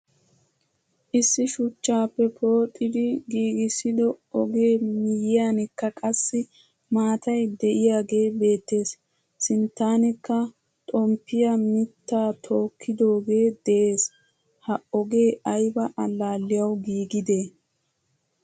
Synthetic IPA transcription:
ʔɪsːɪʃʊt͡ʃːaːpːɛpʰo̞ːt̪ʼːɪd̪ɪɡiːɡɪsɪd̪ɔɔɡe̞ːmɪjɪjaːnɪkːɐkʼɐsːɪ | maːt̪ɐjd̪ɛʔɪjaːɡe̞ːbe̞ːt̪ːe̞ːsː | ɪnt̪ːaːnɪkːɐ | t̪ʼɔmpːɪjɐmɪt̪ːaːt̪ʰo̞ːkʰːɪd̪o̞ːɡe̞ːd̪̥ɛʔe̞ːs | hɐɔɡe̞ːɐjbɐʔɐlːaːlːɪjɐwɡiːɡɪd̪e̞ː

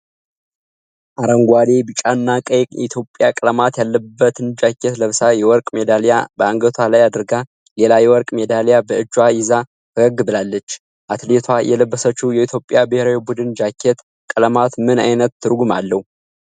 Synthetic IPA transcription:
ʔaɾəŋɡʷad̪e̞bɨt͡ʃʼanːakʼəjʼjɛit̪ʰjo̞pʼːjakʼɨləmat̪jalːəbːət̪ʰɨnd͡ʒakʰːet̪ləβsajɛwɔɾkʼmed̪aljabəaŋɡət̪ʰalajad̪ɨɾɡa | lelajɛwɔɾkʼmed̪aljabəɨd͡ʒːwajɪza | ɨɡəɡɨbɨlalːət͡ʃː | ʔat̪let̪ʰwajɛləbːəsət͡ʃːujɛit̪ʰjo̞pʼːjabəheɾawebud̪ɨnd͡ʒakʰːet̪ | kʼələmat̪mɨnajnət̪ːɨɾɡumalːəhu

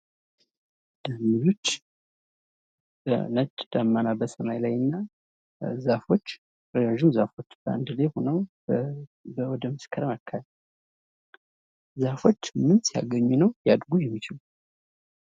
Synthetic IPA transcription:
d̪̥amilo̞t͡ʃː | bə̰nət͡ʃʼːd̪̥amːanabəsəmajlajɨnːa | zafo̞t͡ʃː | ɾəjaʒumzafo̞t͡ʃːb̥əa̰nd̪ɨleho̞nəw | bəwɔd̪əməskʰəɾəmakʰːal | zafo̞t͡ʃːmɨnsija̰ɡəɲːunəwjad̪ɡujɛmːit͡ʃɪlu

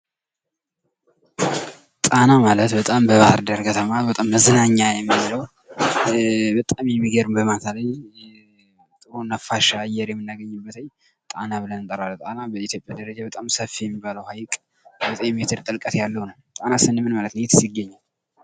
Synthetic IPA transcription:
t̪ʼanamalət̪bət̪ʼambəβahəɾd̪aɾkʰət̪ʰəmabət̪ʼamːəzɨnaɲːajɛmːiβləw | bət̪ʼamjɛmːiɡəɾɨmbəmat̪ʰaləj | malt̪onːafaʃaːjːɛɾjɛmːɨnːaɡəɲːɨbːət̪ʰəɲː | t̪ʼanaβɨlənɨnt̪ʼəɾalːut̪ʼanabəit̪ʰjo̞pʼjad̪əɾəd͡ʒabət̪ʼamsəfːijɛmːibaləwhajkʼ | bətʼemet̪ʰɨɾt̪ʼɨlkʼət̪jalːəwnəwt̪ʼanasɨnɨmɨnmalət̪njet̪sjɪɡːəɲːal

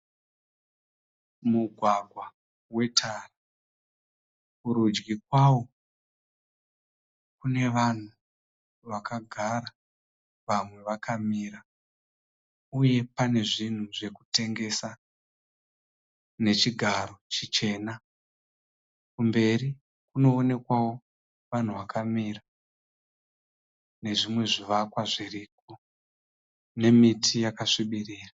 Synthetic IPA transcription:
muɡʱwaɡʱwa | we̞tʰara | kuɾud͡ʒɡikwawo̞ | kune̞ʋan̤u | ʋakaɡʱaɾa | ʋamwe̞ʋakʰamiɾa | uje̞pane̞ʐin̤uʐe̞kute̞ŋɡe̞sa | ne̞t͡ʃiɡʱaɾo̞t͡ʃit͡ʃe̞ːna | kumbe̞ɾi | kuno̞ːne̞kwawo̞ | ʋan̤uʋakʰamira | ne̞ʐimwe̞ʐiʋakwaʐiriːk̚o | ne̞mitʰijakaʂiɓiriːra

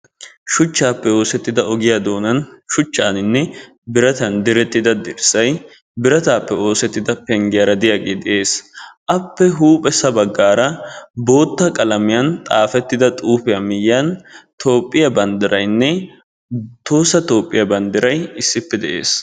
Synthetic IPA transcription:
ʃʊt͡ʃːaːpːɛoːsɛt̪ːɪd̪ɐɔɡɪjaːd̪o̞ːnɐnʃʊt͡ʃːaːnɪnːɛ | bɪɾɐt̪ɐnd̪ɪɾɛt̪ːɪd̪ɐd̪ɪɾsɐj | bɪɾɐt̪aːpːɛo̞ːsɛt̪ːɪd̪ɐpɛŋɡɪjɐɾɐd̪ɪjaːɡeːd̪ɛʔe̞ːsʔɐpːɛɦuːpʼɛsːɐbɐɡːaːɾɐbo̞ːt̪ːɐkʼɐlɐmɪjɐnt̪ʼaːfɛt̪ːɪd̪ɐt̪ʼuːpɪjamɪjjant̪o̞ːpʼːɪjɐbɐnd̪ɪɾɐjnːɛ | t̪o̞ːsːɐt̪o̞ːpʼːɪjɐbɐnd̪ɪɾɐjɪsːɪpːɛd̪ɛʔḛːs

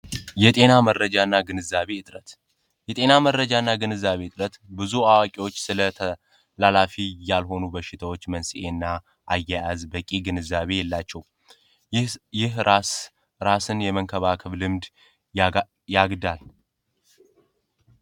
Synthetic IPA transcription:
jɛt̪ʼe̞namərəd͡ʒaɨnːaɡɨnɨzːaβe̞ɨt̪ʼɾət̪ | jɛt̪ʼe̞namərːəd͡ʒaɨnːaɡɨnɨzːaβe̞ɨt̪ʼɾət̪bɨzuawakʼiwo̞t͡ʃːsɨlə | lalafijalɦo̞nubəʃːɪt̪ʰəwo̞t͡ʃːmənsiʔe̞nːa | ʔajːajazbəkʼiɡɨnɨzːaβe̞jɛlːat͡ʃːɛw | ɪh | ɾasɨnjɛməŋkʰəβakʰəβlɨmd̪ | jaɡd̪al

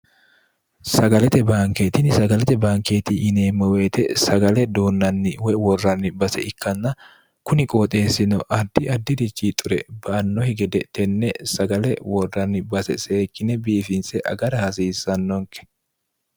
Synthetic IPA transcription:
sɐɡɐlɛt̪ɛbaːŋkeːt̪ɪnɪsɐɡɐlɛt̪ɛbaːŋke̞ːt̪iʔɪneːmːɔwe̞ːt̪ɛsɐɡɐlɛd̪oːnːɐnːɪwɛwɔrːɐnːɪbɐsɛɪkːɐnːɐ | kʊnɪkʼoːt̪ʼe̞ːsːɪnɔʔɐd̪ːɪɐd̪ːɪd̪ɪt͡ʃːiːt̪ʼʊɾɛ̰bɐʔɐnːɔhɪɡɛd̪ɛt̪ɛnːɛsɐɡɐlɛwɔrːɐnːɪbɐsɛ̰se̞ːkːɪnɛbiːfɪnsɛʔɐ̰ɡɐɾɐhɐsiːsːɐnːɔŋkɛ̥

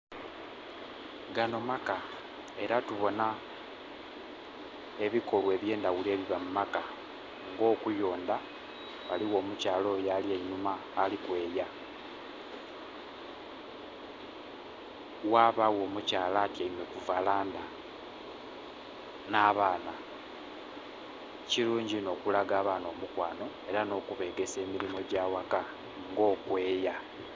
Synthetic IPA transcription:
ɡano̞maka | e̞ɾatuβo̞na | e̞βiko̞lwe̞ːβje̞ːndaɣule̞ːβiβamumaka | ŋɡo̞ːkujo̞ːnda | βaliwo̞ːmucaːlo̞jalieɲumaːlikwe̞ːja | waːβawo̞ːmucaːlaːtiaimwe̞kuvalaːnda | naːβaːna | ciluːɲɟino̞ːkulaɡaːβaːno̞ːmukwaːno̞e̞ɾano̞ːkuβe̞ːɡe̞se̞ːmilimo̞ɟaːwaka | ŋɡo̞ːkwe̞ːja

